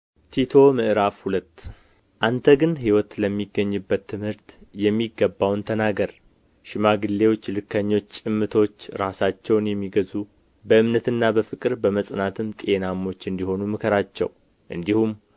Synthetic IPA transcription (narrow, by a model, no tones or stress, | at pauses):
t̪ʰit̪ʰo̞mɨʔɨɾafhulət̪ː | ʔant̪ʰəɡɨnɦiwɔt̪ləmːiɡːəɲːɨbːət̪ʰːɨmhɨɾt̪jɛmːiɡːəbːawnt̪ʰənaɡəɾ | ʃɪmaɡɨlːe̞wot͡ʃːlɨkʰːəɲːo̞t͡ʃːt͡ʃʼɨmːɨt̪ʰo̞t͡ʃːɾasat͡ʃːɛwnjɛmːiɡəzu | bəʔɨmnət̪ɨnːabəfɨkʼɨɾbəməsʼnat̪ʰɨmt̪ʼe̞namːo̞t͡ʃːɨnd̪iho̞numɨkʰəɾat͡ʃːɛ̰w | ʔɨnd̪ihum